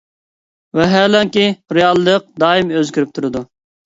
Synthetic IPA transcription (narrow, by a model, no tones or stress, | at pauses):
wɛɦælɛŋkʲiɾejɑlˠd̪əq̚d̪ɑːimøzkʲyɾyp̚t̪ʰuɾɨd̪u